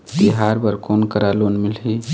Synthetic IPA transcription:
t̪iɦaːɾbəɾkoːnkəɾaloːnmɪlɦi

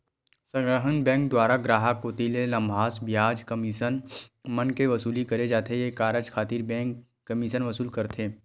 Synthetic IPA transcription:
sɐ̃ŋɡɾəɦənbɛ̃ːŋk̚d̪waːɾaɡɾaːɦakoːt̪ilelɐ̃mbʱaːsbjaːd͡ʒkɐmiʃənmɐnkeʋɐsuːlikɐɾed͡ʒaːt̪ejekaːɾəd͡ʒkʰaːt̪iːɾbɛ̃ːkː | ɐmiʃənʋɐsuːlkɐɾt̪ʰeː

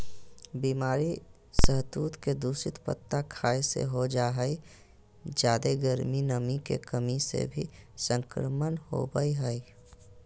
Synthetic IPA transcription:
biːmaːɾi | səɦt̪uːt̪ked̪uːsɪt̪pə̰t̪ːakʰaːesḛɦod͡ʒaːɦəi | d͡ʒjaːd̪eɡəɾminəmikḛkəmisḛbʱisə̃ŋkɾəmənho̰bəiɦəi

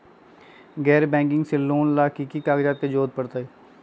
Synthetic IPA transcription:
ɡɛːɾbɛ̃ːŋkɪŋɡsɪlːoːnlaːkiːkikaːɡd͡ʒaːt̪̚keːd͡ʒoːd̪̚pəɽt̪aːiː

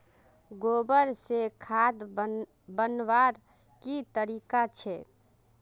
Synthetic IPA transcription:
ɡobəɾsekʰad̪ | bənʋaɾ | kit̪əɾikat͡ʃʰɛ

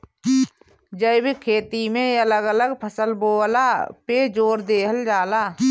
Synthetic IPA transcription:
d͡ʒəɪbekʰeːt̪imẽələɡələɡpʰəsəlboːlaped͡ʒoːɾd̪eːɦəld͡ʒaːlaː

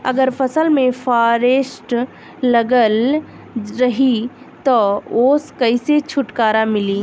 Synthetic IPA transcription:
ɐ̰ɡəɾpʰəsəlmẽfʰaːɾeːsʈː | əɡəl | ɾɐɦi | t̪ɔoːskəɪset͡ʃʰʊʈkaːɾamɪliː

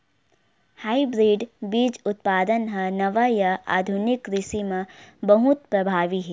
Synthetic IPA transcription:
haːibɾiːɖbiːd͡ʒʊt̪̚paːd̪ənɦɐnɐʋajɐa̰ːd̪ʱʊnɪkɾɪsimãbɐɦʊt̪̚pɾɐbʱaːʋiɦɛː

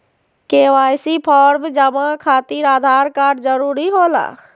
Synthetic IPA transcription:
kewajsipʰɔɾmd͡ʒəmakʰat̪iɾaːd̪ʱaɾkaɾɖd͡ʒəɾuɾiɦola̰

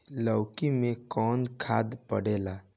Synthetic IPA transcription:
ləwkimẽkɔːnkʰad̪pəɽeːla

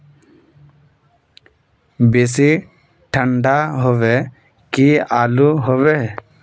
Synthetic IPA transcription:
besi | ʈʰəɳɖaɦɔʋɛ | kiaːluɦɔʋe

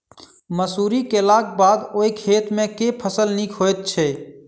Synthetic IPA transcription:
məsuːɾikelaːk̚baːd̪oikʰeːt̪mẽkepʰəsəlnikʰojt̪̚t͡ʃʰɛ

